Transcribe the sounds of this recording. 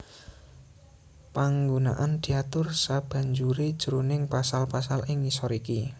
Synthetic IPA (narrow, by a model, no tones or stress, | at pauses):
paŋɡuna̰ʔand̪̥i̤at̪ʊrsab̥a̤ɲd͡ʒuɾed̥ʒ̥əɾonɪŋpasalpasalʔɪŋisɔɾiki